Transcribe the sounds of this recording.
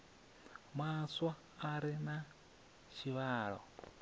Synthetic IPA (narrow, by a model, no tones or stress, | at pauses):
mwaswaː | ɾina | ʃiβaːɺo̰